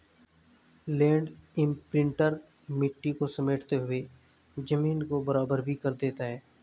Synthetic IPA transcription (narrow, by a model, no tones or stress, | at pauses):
lɛ̃ːɳɖɪ̃mpɾɪ̃ɳʈəɾ | mɪʈːikosɐmeːʈt̪eɦʊe | d͡ʒɐmiːnkobɐɾaːbəɾbʱikɐɾd̪eːt̪aɦɛː